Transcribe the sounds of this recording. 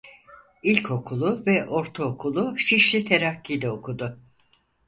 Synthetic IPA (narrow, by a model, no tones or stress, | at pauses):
ilʲcʰo̞kʰulˠʊvɛʔo̞ɾt̪ʰaokʰulˠʊʃiʃlʲit̪ʰe̞ɾakʰːijd̪ɛokʰud̪ʊ